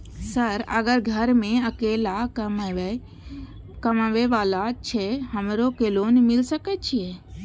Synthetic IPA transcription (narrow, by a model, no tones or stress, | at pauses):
səɾə̰ɡəɾɡʱəɾmẽəkeːlam | kəmaʋeʋaːlat͡ʃʰeɦəmɾokeːloːnmɪlsəkɛt͡ʃʰie